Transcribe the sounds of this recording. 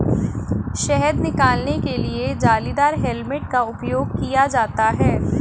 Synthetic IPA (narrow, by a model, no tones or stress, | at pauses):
ʃɛɦəd̪nɪkaːlnekelied͡ʒaːliːd̪aːɾɦɛlmɪʈkaʊpjoːɡ̚kijad͡ʒaːt̪aɦɛː